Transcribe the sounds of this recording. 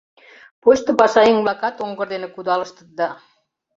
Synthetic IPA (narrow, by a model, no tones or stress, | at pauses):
poɕt̪ɤ̆pɑʃɑiŋβlɑkɑt̪oŋɡɤ̆rd̪enĕkud̪ɑlə̆ʃt̪ə̥̆t̪̚d̪ɑ